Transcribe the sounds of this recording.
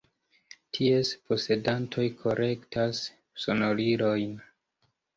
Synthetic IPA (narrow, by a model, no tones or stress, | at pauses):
tʰiespʰo̞se̞dantʰo̞jkʰo̞ɾʔe̞ktas | so̞no̞lilo̞jn